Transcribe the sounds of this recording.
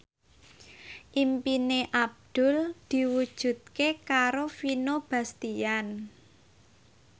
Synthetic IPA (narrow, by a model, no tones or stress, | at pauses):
ʔimpineʔab̚d̪̥ʊ̤ld̪̥i̤wud̥ʒ̥ṳt̪̚kekaɾofinob̥a̤st̪ijan